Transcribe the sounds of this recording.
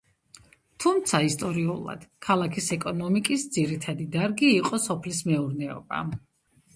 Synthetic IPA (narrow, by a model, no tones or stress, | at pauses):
t̪ʰumt̪sʰaist̪ʼɔɾiṵlˠa̰d̪̥kʰalˠakʰisɛkʼɔnɔmikʼisd̪z̥iɾit̪ʰad̪id̪aɾɡiːqʼɔsɔpʰlismɛuɾnɛɔ̰ba̰